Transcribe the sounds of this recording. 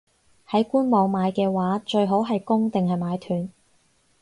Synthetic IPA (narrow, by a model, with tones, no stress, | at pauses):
hɐ˨˥jkuː˥nmɔː˨˧ŋmaː˨˧jkɛː˧waː˨˥t͡ʃɵ˧ɥɦo˨˥wɦɐ˨jkʊ˥ŋt̪ɪ˨ŋɦɐ˨jmaː˨˧jt̪ʰyː˨n